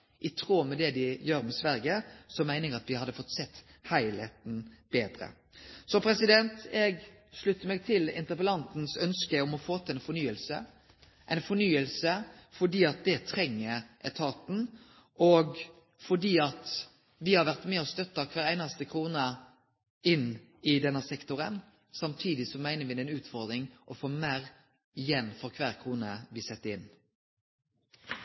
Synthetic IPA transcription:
ʔɪt̪ʰɾoːmɛd̪ɛd̪ɪjøːɾmɛsʋæɾɡəsɔmæɪnɪŋəɑt̪ʋɪhɑd̪ːəfɔt̪ːsɛt̪ː | hæɪlæt̪n̩b̥eːd̪ɾə̰ | sɔpʰɾɛsɪd̪ɛnt̪ɛɡ | ʂɭʉt̪ːəmɛːɡ̚t̪ʰɪlɪ̰nt̪əpəlɑnt̪n̩sœnskəɔmɔfoːt̪ʰɪæɪnfɔnyːəlsə̰ | ʔæ̰ɪnfɔnyːəlsəfɔɖiːɑt̪̚d̪ɛt̪ʰɾɛŋːəɾʔɛt̪ʰɑːt̪n̩ | ʔɔɡ | fɔɖiːɑt̪ | ʋɪhɑɾʋæʁt̪mɛːɔst̪œt̪ːɑkʰʋæːɾæɪnɑst̪əkʰɾuːnə | ɪn | ɪd̪ɛnːəsɛkt̪ʊɾən | sɑmt̪ʰiːd̪ɪsɔmæɪnəʋɪd̪ɛɪnʉːt̪fɔʁd̪ɾɪŋʔɔfoːmæːɾ | ɪjɛnfɔʁkʰʋæːɾkʰʁuːnəʋɪsɛt̪ːəɾɪn

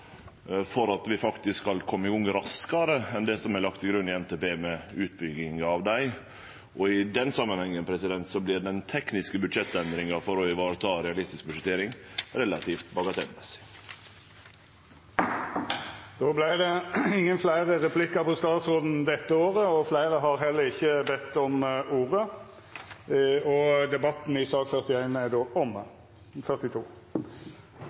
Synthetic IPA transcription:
fɔɾɑt̪ʋɪfɑkt̪ɪskɑlkʰɔmːəɪɡɔŋːəɾɑskɑɾəɛnd̪ɛsɔmælɑk̚t̪ɪɡɾʉnːɪɛnt̪eːpeːmɛʉːt̪̚bʏɡɪŋɑʋd̪æɪ | ʔɔɪd̪ɛnsɑmːənhɛŋːənpʰɾɛsɪd̪ɛnt̪sɔblɪɾɖ̪ɛnt̪ʰɛknɪskəbʉd̪ʂɛt̪ːɛnd̪ɾɪŋɑfɔɾɔɪʋɑːɾt̪ʰɑːɾɛɑlɪst̪ɪsk̚bʉd̪ʂət̪ʰeːɾɪŋɾɛlɑt̪ʰift̪bɑɡɑt̪ʰɛnmɛsɪ̥ | d̪̥oːblæɪd̪ɛɪŋːənflæɪʁəʁɛpʰlɪkəpʰɔst̪ɑːt̪sʁɔd̪n̩d̪ɛt̪ːəoːʁəɔflæɪʁəɦɑʁɦɛlːəʁɪçːəbɛt̪ːɔmuːʁə | ɔd̪ɛbɑt̪n̩ɪsɑːkfœʁt̪ɪæɪnæd̪oʔɔm | fœʁt̪ɪt̪ʰuː

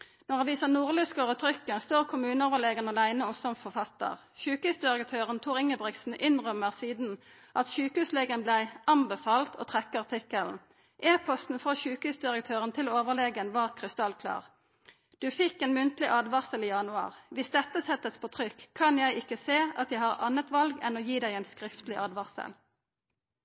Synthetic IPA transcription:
nɔʁɑʋiːsənuːʁlʉskəʁət̪ʰʁʏkːənst̪oːʁkʰʊmʉːnəoːʋəʁleːɡənɑlæɪnəʊmsɔmfɔfɑt̪ːə̰ʁ | çʉːkəhʉsd̪ɪʁəkt̪ʰøːʁənt̪ʰuːʁɪŋːəbʁɪksn̩ʔɪnʁœmːəʁsiːd̪n̩ | ʔɑt̪ʃʉːkəhʉsleːɡənblæɪɑmbəfɑːlt̪ʰo̰ːt̪ʰʁɛkːəʁt̪ʰɪkəln̩ | ʔeːpʰɔst̪n̩fʁɔçʉːkhʉːsd̪ɪʁəkt̪ʰøːʁənt̪ʰɪloːʋəʁleːɡənʋɑːʁkʰʁɪst̪ɑlkʰlɑ̰ːʁ | d̪̥ʉːfɪkːeːnmʏnt̪lɪʔɑːd̪ʋɑʁsəliːjɑnʉɑ̰ːʁʋɪsd̪ɛt̪ːəsɛt̪ːəspʰoːt̪ʰʁʏkʰːɑnjæɪʔɪkːəseːɑt̪jæɪhɑʁɑnət̪ʋɑlɡɛnoːjiːd̪æɪɛːnskʁɪft̪lɪʔɑːd̪ʋɑʁsə̰l

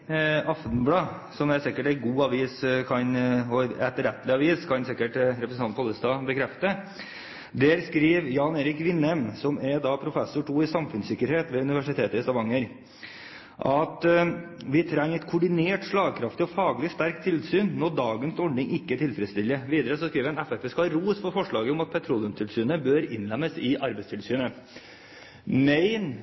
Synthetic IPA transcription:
ɑft̪n̩blɑː | sɔmɛsɪkːəʈæɪɡuːɑʋiːskʰɑnɔɛt̪ɾɛt̪ːəlɪɑʋiːskʰɑnsɪkːəʈɾɛpɾəsn̩ʰɑnʰɔlːəst̪ɑːbəkʰɾɛft̪ə | d̪ɛɾskɾiːʋjɑːneːɾɪkʋɪnɛmsɔmɛɾd̪ɑpʰɾʊfɛsːʊʈʰuːɪsɑmfʉnsɪkːəɾheːt̪ʋeːʉnɪʋæʂɪt̪ʰeːt̪əɪst̪ɑʋɑŋːəɾ | ʔɑt̪ | ʋɪt̪ʰɾɛŋːɛt̪kʰʊɖɪneːʈʂɭɑːɡkʰɾɑft̪ɪɔfɑːɡlɪst̪æɾk̚t̪ʰɪlsyːnnɔd̪ɑːɡənsɔɖnɪŋɪkːət̪ʰɪlfɾɛt̪st̪ɪlːəʋiːd̪əɾəsɔskɾiːʋəɛnɛfɛt̪əskɑɾuːsfɔɾfɔʂɭɑːɡəʊmɑt̪̚pʰɛt̪ʰɾuːljʊmt̪ʰɪlsyːnəbøːɾɪ̰nlɛmːəsɪʔɑɾbɛɪst̪ʰɪlsyːnə | mɛɪn

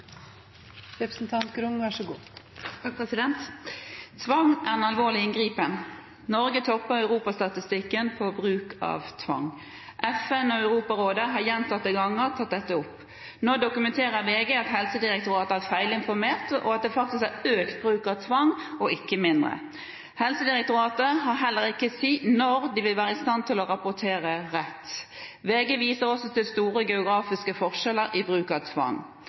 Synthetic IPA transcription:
ɾɛpɾəsn̩t̪ʰɑnt̪ɡɾʊŋʋæʂəɡṵː | pɛsɪd̪ɛnt̪ | t̪ʰʋɑŋʔæʁɛnɑlʋoːʁlɪɪnɡʁiːpən | nɔɾɡət̪ʰɔpːəɾœʉʁuːpɑst̪ɑt̪ɪst̪ɪkːənpʰɔbʁʉːkɑ̰ːʋt̪ʰʋɑ̰ŋː | ʔɛfɛnɔœʉɾuːpɑɾoːd̪əɦɑːɾjɛnt̪ɑt̪ːəɡɑŋːəʁt̪ʰɑt̪̚d̪ɛt̪ːəʊpː | noːd̪ʊkʉmɛnt̪ʰeːɾəɾʋeːɡəɑt̪hɛlsəd̪ɪɾɛk̚t̪ʊɾɑːt̪əæʁfæɪlɪnfɔɾmeːʁt̪ɔ̰ɑt̪̚d̪ɛfɑk̚t̪ɪskæɾøːkt̪̚bɾʉːkɑʋt̪ʰʋɑŋɔʔɪkːəmɪnd̪ʁə̰ | hɛlsəd̪ɪʁɛk̚t̪ʊɾɑːt̪əɦɑɾɦɛlːəɾɪkːəsiːnɔɾd̪ɪʋɪlʋæːʁəɪst̪ɑnt̪ʰɪlɔʁɑpʊt̪ʰeːɾəɾɛt̪ː | ʋeːɡəʋiːsəɾɔsɔt̪ɪlst̪uːɾəɡɛʊɡɾɑːfɪskəfɔʁʃɛləɾibʁʉːkɑʋt̪ʰʋɑ̰ŋː

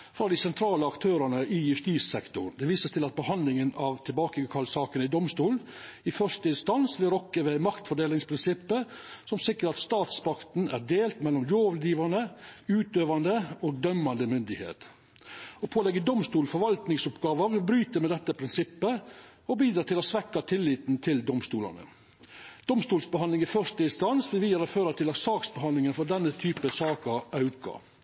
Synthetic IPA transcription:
fɾɑd̪ɪsɛnt̪ʰɾɑːləɑkt̪ʰøːɾənəɪjʉft̪iːssɛkt̪ʊ̰d̪ɛʋiːsəst̪ʰɪlɑt̪̚bəhɑnd̪lɪŋənɑʋt̪ʰɪlbɑːkəkʰɑlsɑːkənəɪd̪ɔmst̪uːl | ɪfœʂtəɪnst̪ɑnsblɪɾɔkːəʋɛmɑkt̪fɔɖeːlɪŋspʰɾɪnsɪpːə | sɔmsɪkːəɾɑt̪st̪ɑːt̪spɑkt̪n̩æ̰ɖ̪eːlt̪mɛlːɔmloːʋəld̪iːʋɑɳəʉːt̪øːʋɑnd̪əoːɡ̚d̪œmːɑnd̪əmʏnd̪ɪhḛːt̪ | ɔpʰoːlɛɡːəd̪ɔmst̪uːlfɔɾʋɑlt̪nɪŋsʊpɡɑːʋəʋɪbɾyːt̪əɾmɛd̪ɛt̪ːəpʰɾɪnsɪpːəɔbiːd̪ɾɑːt̪ɪlɔsʋɛkːɑt̪ʰɪlːiːt̪n̩t̪ʰɪld̪ɔmst̪uːlɑ̰nə̰ | d̪̥ɔmst̪uːlsbəɦɑnd̪lɪŋifœʂt̪əɪnst̪ɑnsʋɪʋiːəɾɑføːɾɑt̪ʰɪlɑsɑːksbəhɑnlɪŋənfɔɖɛnːət̪ʰyːpəsɑːkɑɑʉkɑ̰

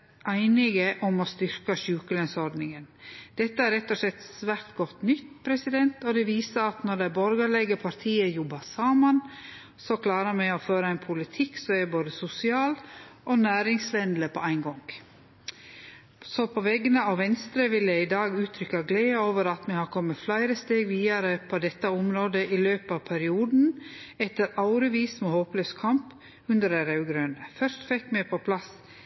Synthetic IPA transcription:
ʔæɪnɪɡəʔɔmɔst̪ʏɾkɑʃʉːkəlɛnsɔɾd̪nɪŋənd̪̥ɛt̪ːəæɾɛt̪ːɔʂlɛt̪ːsʋæːɾt̪ɡɔt̪ːnʏt̪ːpʰɾɛsɪd̪ɛnt̪ɔd̪ɛʋiːsəɾɑt̪nɔɖɛæbɔɾɡəɭɛɡəpʰɑɾt̪ʰiːəjʊbɑsɑmɑn | sɔkʰlɑːɾəɾmɛɪɔføːɾəæɪnpʰʊlɪt̪ʰɪksɔmɛboːd̪əsʊsɪɑːlʔonæːɾɪŋslɛnd̪ləpʰɔæɪnɡɔŋ | sɔpʰɔʋɛɡənəɑʋʋɛnst̪ɾəʋɪljæɪɪd̪ɑːɡʉːt̪ʰɾʏkːɑɡleːoːʋəɾɑt̪mɛhɑɾkʰɔmːət̪flæɪɾəst̪eːɡʋiːɑɾəpʰɔd̪ɛt̪ːɑɔmɾoːd̪əʔɪløːpɑʋpʰæɾɪuːd̪n̩ɛt̪ːəɾɑʊɾəʋiːsmɔhoːpløːskʰɑmp | ʉnd̪əɾæɾɑʉɡɾøːnəfœɾʃt̪fɛkːmɛpʰɔpʰlɑs

